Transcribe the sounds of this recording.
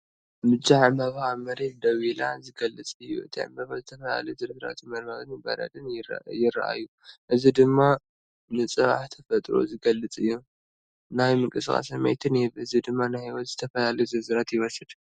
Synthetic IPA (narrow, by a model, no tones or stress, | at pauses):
mɨd͡ʒaʕmɐβhaβmɐɾet̪d̪ɐβilazɨɡɐlːɨt͡sʼɨjːṵʔɨt̪ʰiʕɨ̰mbɐβazɨt̪ʰɐfɐla̰lɐzɨɾzɨɾa̰t̪ʰmɐɾmɐɣɨnɨbɐ̰ɾɐ̰d̪ɨnjɪra̰ʔa̰jːu | ʔɨzid̪ɨmːa | nɨt͡sʼɨβa̰ħt̪ʰɐfɐt̪ʼɾo̰zɨɡɐlːɨt͡sʼɨjːu | najmɨŋkʼɨskʼa̰sɐmɐ̰jt̪ʰɨnɛβɨzid̪ɨmːanajhiwɔt̪zɨt̪ʰɐfɐlalɐzɨɾzɨɾat̪jɪwɔsɨd̪